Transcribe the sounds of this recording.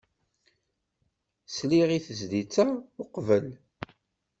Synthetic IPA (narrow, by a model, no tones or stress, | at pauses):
sliʁiθəzd̪it͡sːaʊqvəl